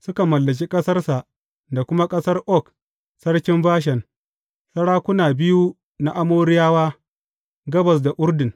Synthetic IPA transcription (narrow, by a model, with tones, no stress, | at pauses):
sʊ˦ka˨mɐ˨lːɐ˨k̬ʲi˦kʼɐ˦sɐ˦rsa˨ʔ | da˨kʷʊ˦ma˦kʼɐ˦sɐ˦rʔɔ˦˨k | sɐ˦ɽkʲɪ˦mbaː˦ʃ̬ɛ˨n | sɐ˦ɽaː˦kʷʊ˦naː˨bɪ˦ju˦ | na˦ʔa˦moː˦ɽɪ˦jaː˦waː˦ | ɡɐ˦bɐ˨s̬da˨ʔʊ˦ɾdɪ˨ŋ